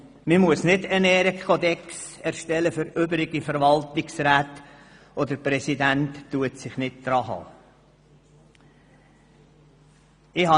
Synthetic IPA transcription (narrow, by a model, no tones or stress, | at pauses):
mimuəsnɪdɛnɛːɾəkʰɔd̪ɛksɛɾʃtɛləfʏɾʏbəɾɪɡ̥ifəɾvɑltɪksɾæːt | ɔd̪əpɾɛsidæntːuətsɪχnɪt̚d̪̥ɾɑːɦɑ̰ː | ɪhɑ